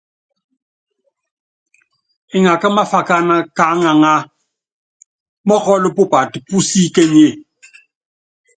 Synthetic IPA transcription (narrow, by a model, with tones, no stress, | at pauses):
ɪ˨ŋa˨ka˦ma˦fa˨ka˦na˦ka˨˦ŋa˨ŋa˦ | mɔ˦kɔ˦lɪ˦pʊ˦pa˨ti˨pu˦si˦ke˦ɲe˦˨